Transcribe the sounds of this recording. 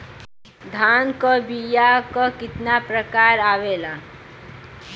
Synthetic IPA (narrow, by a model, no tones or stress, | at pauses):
d̪ʱaːnkobijakokɪt̪napɾəkaːɾaːʋeːlaː